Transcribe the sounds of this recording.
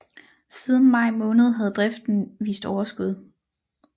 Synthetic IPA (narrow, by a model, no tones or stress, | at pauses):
sið̞ˠn̩mɑ̈ɪmɔ̽ːnəð̞̩ˠɦæð̞ˠd̥ʁɛfd̥n̩ʋḭːsd̥ɒʊɐsɡ̥uð̞ˠ